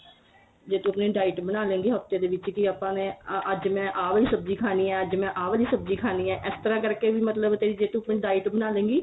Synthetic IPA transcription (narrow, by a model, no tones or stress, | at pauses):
d͡ʒeːt̪ũːəpnẽːɖaːɪʈbənaːlẽːŋɡiːɦəft̪eːd̪eːʋɪt͡ʃkiaːpãːneːʔəd͡ʒmɛ̃ːʔaːʋliːsəb̚d͡ʒiːkʰaːniːɛːəd͡ʒmɛ̃ːʔaːʋliːsəb̚d͡ʒiːkʰaːniːɛːʔɪst̪əɾãːkəɾkeːʋiːmət̪ləbt̪eːɾiːd͡ʒeːt̪ũːəpnẽːɖaːɪʈbənaːlẽːŋɡiː